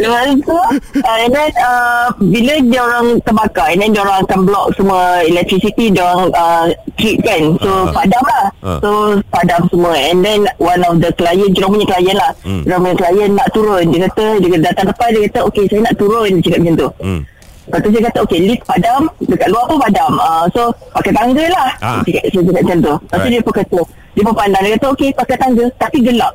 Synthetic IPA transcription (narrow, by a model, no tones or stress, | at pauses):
ləmansuəɛndɛnəbilədiəoɾaŋt̪əbakaɛndɛndiəoɾaŋakanblɔk̚səmuəilɛk̚t̪ɾisit̪idioɾaŋʔət̪ɾit̪̚kansopadamlahsopadamsəmuəɛndɛnwanɔfd̪əklajənt͡ʃuɾaŋpuɲəkəlajanlaht͡ʃuɾaŋpuɲəkəlajənːaʔt̪uɾʊndiəkat̪ədəkadat̪aŋləpat̚diəkat̪əokesajənaʔt̪uɾʊndit͡ʃakap̚d͡ʒənt̪o | pat̪us̬ajəkat̪əokelit̪̚padamdəkaʔluahpəpadaməso | pakajt̪aŋɡəlaht͡ʃakaʔ̚sajət͡ʃakap̚d͡ʒənt̪̬oasodiəpəkət̪o | diəpəpandaŋdiəkat̪əokepakajt̪aŋɡət̪apiɡəlaʔ̚